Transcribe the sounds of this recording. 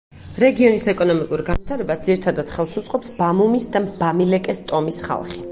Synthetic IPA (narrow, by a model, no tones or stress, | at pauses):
ɾɛɡiɔnisɛkʼɔnɔmikʼuɾɡanvit̪ʰaɾɛbasd̪ziɾit̪ʰad̪ad̪̥χɛlˠsut̪sʼqʼɔpsbamumisd̪abamilɛkʼɛst̪ʼɔmisχa̰lˠχi